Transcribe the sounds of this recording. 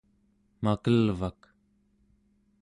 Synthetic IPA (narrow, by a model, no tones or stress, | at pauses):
makəlvak